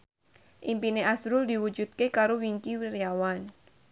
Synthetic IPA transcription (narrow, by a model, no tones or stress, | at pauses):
ʔimpineʔasɾʊld̪iwud͡ʒṳt̪̚kekaɾowiŋkiwiɾjawan